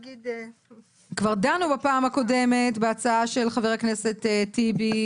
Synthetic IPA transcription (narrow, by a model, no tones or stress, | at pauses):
kvaʁdanubapaːmhako̞de̞me̞tbeat͡saaʃe̞lχave̞ʁakne̞se̞tetːibi